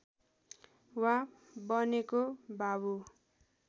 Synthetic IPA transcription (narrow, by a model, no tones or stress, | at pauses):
wã | bʌnekobabu